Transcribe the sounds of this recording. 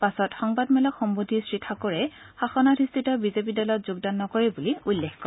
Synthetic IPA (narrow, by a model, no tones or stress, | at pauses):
pasɔtxɔŋbadmɛlɔkxɔmbodʱisɹitʰakɔɹɛ | xaxɔnadʰʱistʰitɔbizep̬idɔlɔtzʊɡdanːɔkɔɹɛbuliulːexkɔ